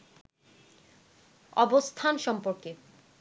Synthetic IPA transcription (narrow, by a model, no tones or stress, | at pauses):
ɔbost̪ʰanʃɔmpoɾke